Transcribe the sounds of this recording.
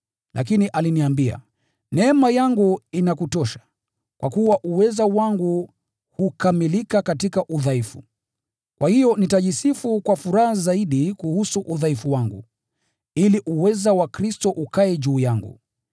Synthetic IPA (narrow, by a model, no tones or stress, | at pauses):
lʔa̰k̬iniʔaliniambia̰ | nɛmajaŋɡuinakutɔʃḁ | kwʔa̰kuwaʔuwɛzawaŋɡu | hukamilikakatikaʔuðaifu̥̰ | kwahijɔnitaʄisifukwafuɾahazaiɗikuhusuʔuðaifuwaŋɡṵ | iliʔuwɛzawakɾistɔʔukaɛʄuːjaŋɡṵ